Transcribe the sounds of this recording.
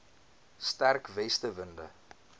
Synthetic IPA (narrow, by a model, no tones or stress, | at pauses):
stærkvɛstəvəndə̰